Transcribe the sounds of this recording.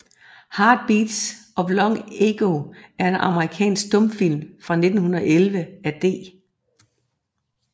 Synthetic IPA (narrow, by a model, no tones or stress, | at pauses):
hɑ̈ːd̥̚b̥iːd̥sʔɒ̽b̥lɒ̽ŋe̝ɡ̥o̝æɐe̝nʔɑ̈məʁikʰɛ̰ːnsɡ̥̚d̥ɔ̽mfil̰mfʁɑ̈ne̝d̥n̩hunɐɒ̽ʔelʋəæd̥e̝̰ː